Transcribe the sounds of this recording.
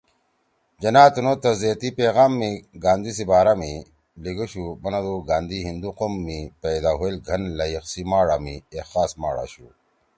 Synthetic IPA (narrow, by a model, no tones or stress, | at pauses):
d͡ʑɐnaːt̪unot̪ɐzet̪ipeːɣaːmːiɡaːnd̪is̬ibaːɾami | liɡuɕubɐnɐd̪uɡaːnd̪iɦind̪uqomːiped̪aːɦoelɡʱɐnlɐjiqsimaːɽamiexaːsma̰ːɽa̰ːɕu